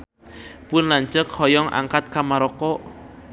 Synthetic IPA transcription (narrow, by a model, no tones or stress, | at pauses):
pʊnlaɲt͡ʃəkhɔjɔŋʔa̰ŋkat̪̚kamaɾɔkɔʔ